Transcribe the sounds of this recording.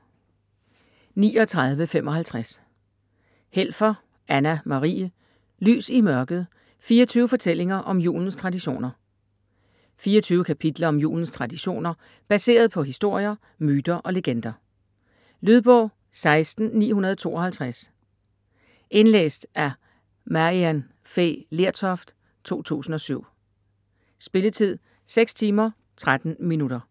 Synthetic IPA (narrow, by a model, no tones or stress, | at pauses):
nḭːɒt͡sʰʁɑ̈ð̞ˠʋəfem̰ʔɒ̽ɦælt͡sʰʁas | hel̰fɐ | ænæmɑ̈ʁḭːə | ly̰ːsimɶɐɡ̥ð̞̩ˠ | fiːɐt͡sʰyːʊəfɒ̽t͡sʰel̰e̝ŋɐʔɒ̽mjṵːln̩st͡sʰʁɑ̈diɕo̝̰ːnɐ | fiːɐt͡sʰyːʊəkʰæpʰid̥lɐɒ̽mjṵːln̩st͡sʰʁɑ̈d̥iɕo̝̰ːnɐ | b̥æse̝̰ːɐð̞ˠpʰɒ̽ɦisd̥o̝ɐ̰jɐ | myːd̥ɐʔɒ̽le̝ɡ̥end̥ɐ | lyð̞ˠb̥ɔ̽ʊ̰ | sɑ̈ɪsd̥n̩nḭːhunɐð̞ˠɒt͡sʰo̝̰ːʔɒ̽hælt͡sʰʁas | ʔe̝nlḛːsd̥æɐ | mæʁiæn | fḛle̝ɐ̰t͡sʰɒfd̥ | t͡sʰo̝̰ːt͡sʰṵːsn̩ɒ̽syʊ̰ | sb̥e̝lət͡sʰið̰ˠ | seɡ̥st͡sʰiːmɐ | t͡sʰʁad̥n̩minuɾ̥ɐ